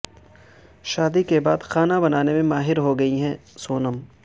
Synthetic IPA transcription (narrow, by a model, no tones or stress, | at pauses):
ʃaːd̪ikebaːd̪xaːnabɐnaːnemẽmaːɦɪɾɦoɡɐiɦɛ̃ːsoːnəm